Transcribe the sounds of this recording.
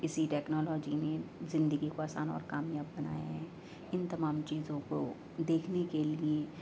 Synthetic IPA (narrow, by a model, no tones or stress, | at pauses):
ɪsiʈɛːknɔːlɔːd͡ʒinezɪ̃nd̪əɡikoaːsaːnɔ̰ːɾkaːmjaːbːɐna̰ːja̰ɦɛː | ɪnt̪ɐmaːmt͡ʃiːzõko | d̪eːkʰnekelie